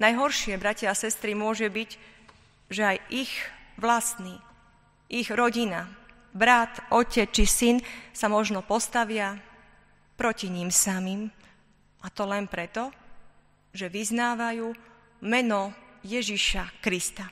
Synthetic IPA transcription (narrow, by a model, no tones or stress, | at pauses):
najɦɔɾʃɪɛbɾacɪaasɛst̪ɾimʊɔʒɛbiɟ | ʒɛajʔiɣʋlast̪niː | ʔiɣɾɔɟina | bɾat̪ʔɔcɛt͡st͡ʃisinsamɔʒnɔpɔst̪aʋɪa | pɾɔciɲimsamiːm | ʔat̪ɔlɛnpɾɛt̪ɔ | ʒɛʋiznaːʋajuː | mɛnɔjɛʒiʃakɾist̪a